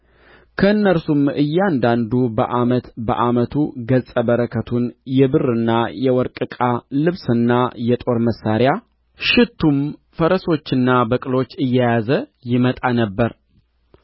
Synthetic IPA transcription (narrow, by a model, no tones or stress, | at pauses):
kʰəɨnːəɾsumɨjːand̪and̪ubə̰ʔamət̪bə̰ʔamət̪ʰuɡəsʼəbəɾəkʰət̪ʰunjɛbɨrɨnːajɛwɔɾkʼɨkʼalɨβsɨnːajɛt̪ʼo̞ɾməsːaɾja | ʃɪt̪ʰːumfəɾəso̞t͡ʃːɪnːabəkʼɨlo̞t͡ʃːɨjːajazəjɪmət̪ʼanəbːəɾ